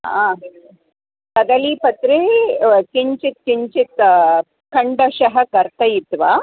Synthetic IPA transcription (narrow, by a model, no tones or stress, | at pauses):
aː | t̪ɐd̪ɐliːpɐt̪ɾekiɲt͡ʃit̪̚kiɲt͡ʃit̪ | kɐɳɖɐʃɐɦɐkɐɾt̪ɐjit̪ːʋaː